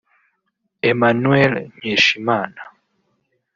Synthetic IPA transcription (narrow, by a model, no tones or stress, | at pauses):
emanuɛlɲeʃimaːna